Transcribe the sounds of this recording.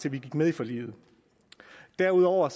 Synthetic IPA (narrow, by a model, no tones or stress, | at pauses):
t͡sʰe̝ʋiɡ̥iɡ̥með̞ˠifɒ̽lḭːð̩ˠ | d̥æɐuð̞ˠɒʊ̰ɐs